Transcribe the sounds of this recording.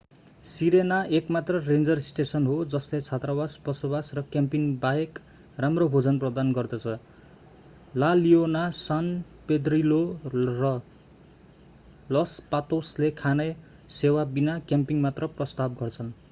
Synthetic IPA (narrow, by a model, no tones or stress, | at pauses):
siɾenaekmat̪rʌrend͡zʌrisʈesʌnɦod͡zʌslet͡sʰat̪rabasbʌsobasrʌkjampiŋbaek | ramrobʱod͡zʌnprʌd̪anɡʌrd̪ʌt͡sʰʌ | lalionasan | ped̪rilorʌ | lʌspat̪oslekʰanʌj | sewabinakjampiŋmat̪rʌprʌst̪ab̚ɡʌrt͡sʰʌn